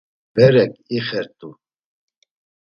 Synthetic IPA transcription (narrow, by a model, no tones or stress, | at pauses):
b̥ɛɾɛkʼiχɛɾt̪ʼu